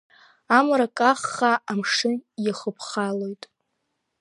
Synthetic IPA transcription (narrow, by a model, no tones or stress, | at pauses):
amaɾakʼaχːaʔamʂɨnjaχəpʰχalo̞jtʼ